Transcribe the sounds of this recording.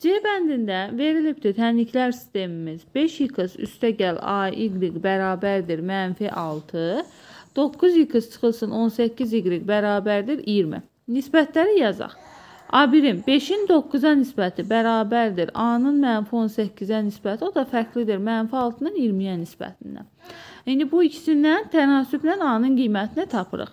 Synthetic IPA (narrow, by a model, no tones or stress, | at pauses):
d͡ʒebænd̪ind̪æve̞ɾilipt̪ʰit̪ʰænicʰlæɾsi̥st̪e̞mimizbe̞ʃjɯkʰɯsy̰st̪ʰæɟælɑ̰iɡɾiɡbæɾɑːbæɾd̪iɾmænfiʔɑlˠt̪ʰɯ | d̪̥o̞kːuzjɯkʰɯst͡ʃʰɯ̥xɯlˠsɯno̞nsæcːiziɡɾiɡbæɾɑːbæɾd̪iɾijiɾmḭ | nisbæt̪ʰlæɾijɑzɑ̰χ | ɑːbiɾimbe̞ʃind̪o̞kːuzɑnisbæt̪ʰibæɾɑːbæɾd̪iɾɑnɯnmænfio̞nsæcːizænisbæt̪ʰio̞d̪ɑfæɾcʰlid̪iɾmænfiɑlˠt̪ʰɯnɯniiɾmijænisbæ̰t̪ʰind̪æ̰ | ind̪ibuicʰi̥sinːænt̪ʰænɑːsybnænɑnɯnɡijmæt̪ʰinit̪ʰɑpʰɯ̰ɾɯ̰χ